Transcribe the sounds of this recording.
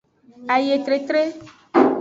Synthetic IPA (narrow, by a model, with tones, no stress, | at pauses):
a˨je˨t̪ɾe˨t̪ɾe˦